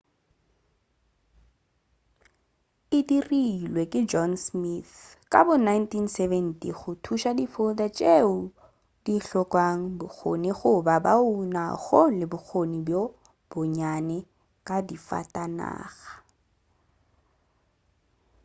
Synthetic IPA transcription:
ɪdirilwekʼɪd͡ʒɔnsmiθkʼa̰bʊnajntinsɛvɛntʼiχʊtʰuʃadifʊdat͡ʃʼeʊ | d̥iɬɔkʼwaŋ̩bʊk͡xʰo̰niχʊbabauna̰ɣɔlɪbʊk͡xʰonibjo | b̥ʊɲanɛ | kʼadifa̰tʼana̰ːɣḁ

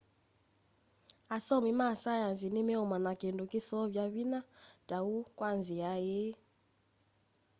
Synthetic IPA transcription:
asɔmimasajanzinemɛɔmanakendokesɔβjaβinad̥aukwanziaje

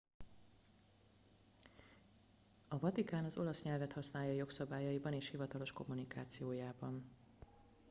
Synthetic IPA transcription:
ɒvɒt̪ikaːnɒzo̞lɒsɲɛlvɛt̪hɒsnaːjɒjo̞ksɒbaːjɒibɒneːʃhivɒt̪ɒlo̞ʃko̞mːunikaːt̪sijoːjaːbɒn

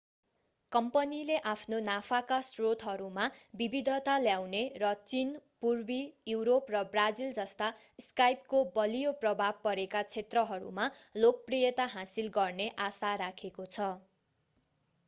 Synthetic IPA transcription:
kʌmpʌnileʔapʰnonapʰakasrot̪ɦʌɾumabibid̪ʱʌt̪aljawnerʌt͡sinpurbijuwɾoprʌbrad͡zild͡zʌst̪a | skajp̚kobʌlijoprʌbʱab̚pʌɾekat͡sʰet̪rʌɦʌɾṵmalok̚prijʌt̪aɦãsilɡʌrneʔasaɾakʰekot͡sʰʌ

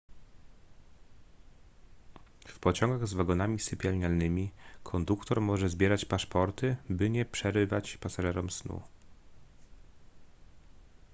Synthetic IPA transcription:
fpɔt͡ɕɔŋɡaɣzvaɡɔnamʲisɘpʲjalɲalnɘmʲikʰɔnd̪ukt̪ɔɾmɔʐɛzbʲjɛɾat͡ɕpaʂpɔɾt̪ɘbɘɲɛpʂɛɾɘvat͡ɕpasaʐɛɾɔmsnṵ

